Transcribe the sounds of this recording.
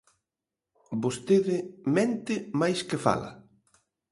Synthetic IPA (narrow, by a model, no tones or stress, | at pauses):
bost̪eðɪmɛ̃nt̪ɪmajskɪfa̰la̰